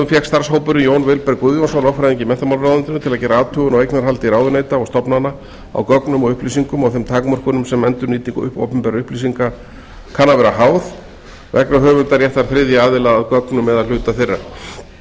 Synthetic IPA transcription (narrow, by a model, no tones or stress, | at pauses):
ʏfjɛxst̪aɾ̥shoːwpʏɾʏjoːwnvɪlpɛɾkuðjɔnsownɔfɾajðiɲcɪmɛnt̪amalawðant̪ɪnʏt̪ʰɪlaðcɛːɾaaːt̪ʰœːɣʏnɔwejknaɾ̥ɦalt̪ɪiɾaːwðʏneːjt̪aɔɣst̪ɔpnanːa | a̰wkœknʏmɔɣʏhpliːsiŋkʏmawθɛmt̪ʰaːkmœr̥kʏnʏmsɛmɛnt̪ʏɾniːt̪iŋkʏ̰hpo̰wpʏmpɛɾaʏhpliːs̬iŋka | kʰanːavɛːɾahaːwð | vɛknɾaɦœːvʏnt̪aɾjɛht̪aɾ̥θɾɪðjɪaːðɪlaðaðkœknʏmɛðalʏːt̪aθɪrːa̰̥